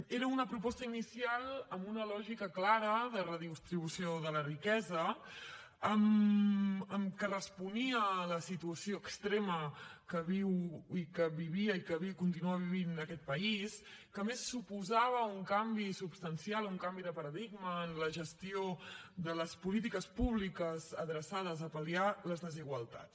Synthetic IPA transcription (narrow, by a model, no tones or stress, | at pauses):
eɾəunəpɾupɔst̪əinisialˠəmbunəlɔʒikəklaɾəðərəðist̪ɾiβusioðələrikɛzə | əm | əmkərəspuniələsit̪uəsioəkst̪ɾeməkəβiwikəβiβiəikəβiwkunt̪inuəβ̞iβinəkɛt̪̚pəis | kəmesːupuzaβ̞əuŋkambisupst̪ənsialuŋkambiðəpəɾəðiɡməːnləʒəst̪ioðələspulit̪̬ikəspuβlikəzəðɾəsaðəzəpəlialəzðəziɣwəlˠt̪a̰ts